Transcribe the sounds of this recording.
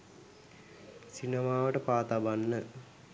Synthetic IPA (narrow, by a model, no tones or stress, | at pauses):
sinəmaːʋəʈəpaːt̪abanːə